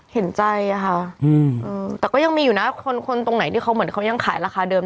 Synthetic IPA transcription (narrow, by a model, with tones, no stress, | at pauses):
he˩˦nt͡ɕa˧ja˨˩kʰa˦˥ʔʔɯː˧ʔɯː˧t̪ɛː˨˩kɔː˥˩ja˧ŋmiː˧juː˨˩na˦˥kʰo˧nkʰo˧nt̪o˧ŋna˩˦t̪ʰiː˥˩xʰa˦˥wmɯ˩˦ə˦nkʰa˦˥wja˧ŋkʰaː˩˦jɾaː˧xaː˧dɤː˧m